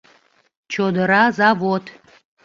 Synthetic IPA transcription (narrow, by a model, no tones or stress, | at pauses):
t͡ʃʰod̪əɾazavot̪ʰ